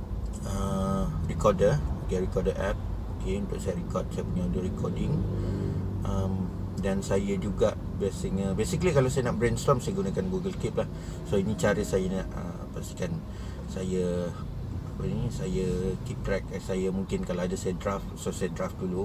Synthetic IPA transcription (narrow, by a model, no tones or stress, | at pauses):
ərikɔdəutiaɾikɔdəʔɛp̚okeunt̪ʊʔsajaɾikɔd̚sajəpuɲauduɾikɔdɪŋ | ʔəm | dansajəd͡ʒuɡaʔ | biasiŋəbesikəlikalasajanaʔbɾenst̪ɔmsajaɡunakanɡuɡəlkip̚lah | soinĩt͡ʃaɾəsajanãʔə̰ | past̪i̥kan | sajə | apənĩsajəkip̚t̪ɾɛk̚asajəmũŋkɪnkalaadasajadɾaftsosajadɾaft̚dulu